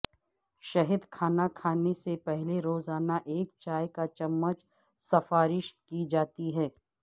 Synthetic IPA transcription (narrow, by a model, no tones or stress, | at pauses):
ʃɐɦɪd̪kʰaːnakʰaːnesepɛɦleɾoːzaːnaʔeːk̚t͡ʃaːjkat͡ʃɐmːət͡ʃ | sɐfaːɾɪʃkid͡ʒaːt̪iɦɛː